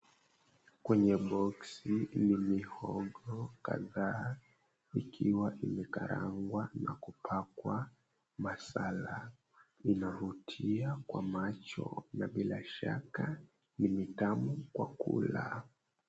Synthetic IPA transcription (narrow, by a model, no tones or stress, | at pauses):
kwɛɲɛɓɔksinimihɔɠɔka̰ðaː | ikʰiwaʔimɛkaɾa̰ŋɡwanakupʰakwa | masala | inavutʰiakwamat͡ʃɔ̰naɓilaʃa̰ka | nimitamukwa̰kṵla